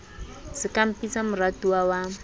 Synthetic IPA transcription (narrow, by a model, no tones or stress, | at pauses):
z̥ikampit͡samuɾad̪̥uawa